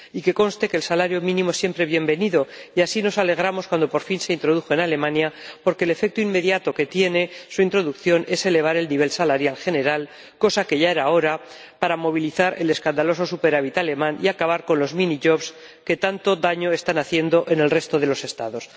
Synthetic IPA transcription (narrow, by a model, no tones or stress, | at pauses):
ike̞ko̞nst̪e̞keːlsalaɾjo̞mĩnĩmoesje̞mpɾe̞βje̞mbe̞niðo̞iasino̞sale̞ɣ̞ɾamo̞skwand̪o̞po̞ɾfinse̞int̪ɾo̞ðuxonale̞mãnjapo̞ɾke̞le̞fe̞k̚t̪oimːe̞ðjat̪o̞ke̞t̪je̞ne̞suint̪ɾo̞ðukθjo̞ne̞se̞le̞β̞aɾe̞lniβe̞lsalaɾjalxe̞ne̞ɾal | ko̞sake̞ʝae̞ɾao̞ɾa | paɾamo̞β̞iliθaɾe̞̰le̞skand̪alo̞so̞supe̞ɾaβit̪ale̞mãniakaβ̞aɾko̞nlo̞zmĩniʝo̞βs | ke̞t̪ant̪o̞ðaɲo̞e̞st̪anaθje̞nd̪o̞ʔe̞ne̞lre̞st̪o̞ðe̞lo̞se̞st̪aðo̞s